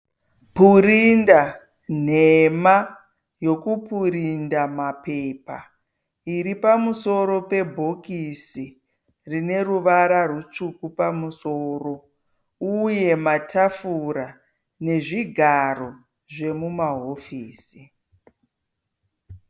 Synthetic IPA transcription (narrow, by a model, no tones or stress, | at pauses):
puɾinda | n̤ema | jo̞kupʰuɾindamape̞ːpa̰ | iɾipamuso̞ɾo̞pe̞bʱo̞kisi | rine̞ruʋaɾarut͡ʂukupamusoːro̞ | uje̞matafuɾa | ne̞ʐiɡʱaro̞ | ʐe̞mumaɦo̞fiːsi